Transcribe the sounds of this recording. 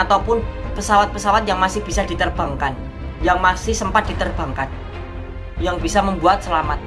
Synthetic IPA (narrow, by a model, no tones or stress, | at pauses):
at̪awpʊnpəsawat̪̚pəsawat̪̚jaŋmasɪhb̥isadit̪ərb̥a̤ŋkan | jaŋmasɪhsəmpat̪̚d̥it̪ərba̤ŋkan̚ | jaŋbisaməmbuat̪̚səlamat̪̚